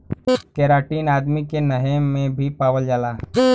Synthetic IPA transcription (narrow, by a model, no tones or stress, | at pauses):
kɛːɾaːʈiːnaːd̪mikenəɦemẽbʱipaːwəld͡ʒaːlaː